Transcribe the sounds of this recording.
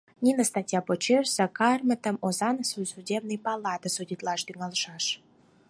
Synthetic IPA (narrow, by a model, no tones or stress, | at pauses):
nʲinəst̪ɑtʲjɑpot͡ɕersəkɑrmə̆t̪ə̆mozɑnsujsudʲebnɨjpɑlɑt̪əsudʲit̪lɑʃt̪yŋɑlʃɑʃ